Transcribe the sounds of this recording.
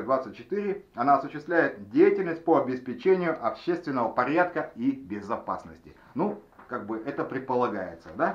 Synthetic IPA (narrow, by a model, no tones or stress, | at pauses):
d̪vat̪sɨt̚ʲt͡ɕːɪ̥t̪ɨɾʲɪɐnaɐsʊɕːɪst̪vlʲæjɪt̪̚dʲejɪtʲɪlʲnəsʲt̚ʲpoɐbʲɪspʲɪt͡ɕenʲɪjʊʔɐpɕest̪vʲɪnːəvəpɐɾʲat̪kəibʲɪzɐpa̰snəsʲtʲɪ | nu | kaɡ̚bɨʔɛt̪əpɾʲɪt̪̚pəlˠɐɡajɪt̪səd̪a